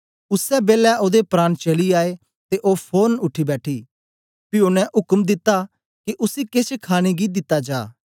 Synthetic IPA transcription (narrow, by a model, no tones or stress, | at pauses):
ʊsɛbeːlɛʔoːd̪epɾaːnt͡ʃɐliaːe | t̪eʔoːpʰoːnʊʈʰːibɛːʈʰiː | pɪjoːnɛ̃ʔʊkəmd̪ɪt̪ːa | kiʔʊsiket͡ʃʰkʰaːɽ̃eɡid̪ɪt̪ːad͡ʒaː